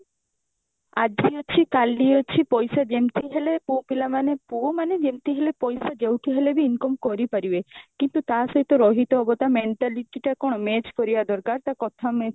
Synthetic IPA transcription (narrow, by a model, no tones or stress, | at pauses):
ad͡ʒʱiɔt͡ʃʰikalniɔt͡ʃʰipɔjsad͡ʒemt̪iɦelepũpilamanepuomaned͡ʒemt̪iɦelepɔjsad͡ʒewʈʰiɦelebiːnkɔmkɔɾipaɾibekint̪ut̪aɦsɔɦit̪ɔɾɔɦit̪ɔːbɔt̪ameɳʈaliʈiʈakɔɽ̃ɔmet͡ʃkɔɾibad̪ɔɾkaɾt̪akɔt̪ʰame